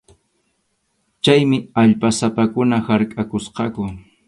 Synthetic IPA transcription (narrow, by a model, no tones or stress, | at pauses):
t͡ʃajmɪaʎpasapakʊnahaɾkʼakʊsqɑkʊ